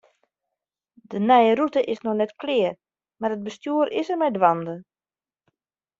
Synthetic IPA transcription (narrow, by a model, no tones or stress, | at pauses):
dənɛjəɾutəʔɪsnɔxnɛtklɪər | maɾəd̚bəstjuəɾɪsərmɛjdwandə